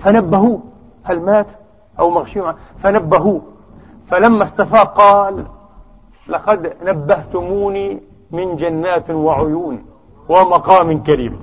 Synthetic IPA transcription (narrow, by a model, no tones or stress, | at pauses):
fanabːaɦuː | halmaːt̪ | ʔawmaɣʃʕafanabːaɦuː | falamːast̪afaːqɑːlː | ɑqɑd̪nabːaht̪ʊmuːniː | mɪnd͡ʒanːaːt̪waʕʊjuːn | wɪmɑqɑːmɪnkaɾiːm